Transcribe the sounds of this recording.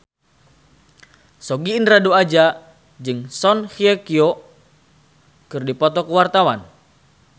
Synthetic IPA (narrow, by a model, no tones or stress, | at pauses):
sɔɡiːnraduad͡ʒa | d͡ʒɨŋsɔnhiɛkiɔ | kɨrdipɔt̪ɔkəwart̪awan